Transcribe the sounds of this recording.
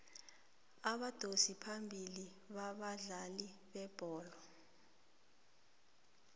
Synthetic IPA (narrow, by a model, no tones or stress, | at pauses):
aɓad̥ʱosipʰambʱili | ɓaɓaɮali | ɓɛb̥ʱɔːlɔ